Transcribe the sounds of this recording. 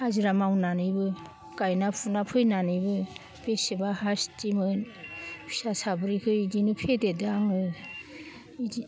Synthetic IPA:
haziɾamawnanɯjbɯ | ɡ̥ajnapʰunapʰɯjnanɯjbɯ | b̥esebahastimɯn | pʰi̥sasabɾikʰɯidinɯpʰededɯaŋɯ | idi

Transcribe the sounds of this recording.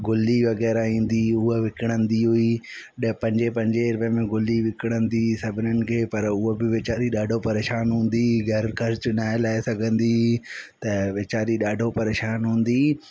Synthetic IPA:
ɡʊliʋɐɣɛːɾaĩːn̆d̪iʊɦeʋɪkɪɽ̃ə̃nd̪iɦui | pɐ̃ɲd͡ʑepɐ̃ɲd͡ʑeɪɾʋəmẽɡʊliʋɪkɪɽ̃ə̃nd̪isɐbʱɪnənɪ̆kʰeːpɐɾʊɦobɪʋeːt͡ɕaːɾiɗaːɖʱopɐɾeːʃaːnɦũːn̆d̪iɡʱɐɾkʰɐɾt͡ɕʊnaːɪelaːesɐɡʱə̃nd̪it̪ɐʋeːt͡ɕaːɾiɗaːɖʱopɐɾeːʃaːnɦũːn̆d̪iː

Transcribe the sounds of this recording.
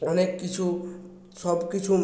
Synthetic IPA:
ɔnekːit͡ʃʰu | sɔbkit͡ʃʰu

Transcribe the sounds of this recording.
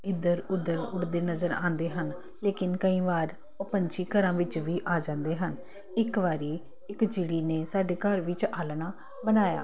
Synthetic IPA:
ɪd̪əɾʊd̪ːəɾʊɽd̪eːnəzəɾã̰ːnd̪eːɦən | leːkɪnkəĩːʋaːɾ | əpəɲt͡ʃiːkəɾãːʋɪt͡ʃʋiːʔaːd͡ʒãːnd̪eːɦən | ɪkʋaːɾiː | ɪkd͡ʒɪɽiːneːsaːɖeːkəɾʋɪt͡ʃaːlnaː | bənaːja̰ː

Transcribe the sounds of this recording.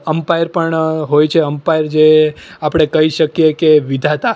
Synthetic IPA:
əmpajɾpəɳɦojt͡ʃʰeəmpajɾd͡ʒeapɽ̃ekəiʃəkjekeʋid̪ʱat̪a

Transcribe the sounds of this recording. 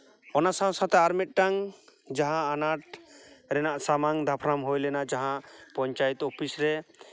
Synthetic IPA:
ɔnasãsãt̪ɛaɾmit̪̚ʈaŋd͡ʒaɦãːnaʈɾɛnaʔsamaŋd̪ʱapʰɾamɦojlɛnad͡ʒaɦãʔpɔɲt͡ʃajt̪opʰisɾɛ

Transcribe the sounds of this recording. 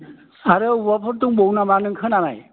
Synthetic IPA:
aɾɯwɔpʰəɾtuŋbownamanɯŋkʰɯnanaj

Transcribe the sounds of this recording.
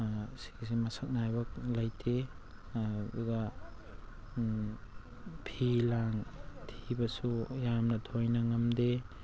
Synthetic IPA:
si̥ks̬emɐsʰak̚najbɐk̚lajtʰe | bṵɡa | pʰilaŋtʰibɐsujamnɐtʰojnɐŋɐmde

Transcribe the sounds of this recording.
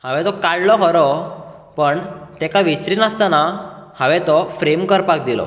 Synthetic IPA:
haʋɛt̪ɔkaɽlɔɦɔɾɔ | pəɳt̪ɛkaʋit͡ɕɾiːnəst̪anahãʋɛt̪ɔfɾemkəɾpak̚d̪ilɔ̰

